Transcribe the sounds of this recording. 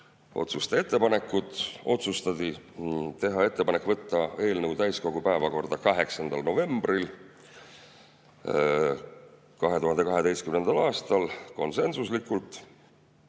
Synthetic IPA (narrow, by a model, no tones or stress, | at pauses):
o̞̰t̪sust̪ee̞t̪ˑːe̞pɑne̞kːˑut̪ˑo̞̰t̪sust̪ɑd̪it̪e̞ɦɑe̞t̪ˑːe̞pɑne̞kːˑvɤt̪ːɑe̞ːlnəwt̪æjsko̞ɡ̥upæevɑko̞rd̪̥ɑkɑɦe̞ksɑnd̪̥ɑlno̞ve̞mb̥ril | kɑɦe̞t̪uɦɑnd̪e̞kɑɦe̞t̪e̞jst̪kymnend̪̥ɑlɑːst̪ɑlko̞nse̞nsuslikːˑult̪ˑ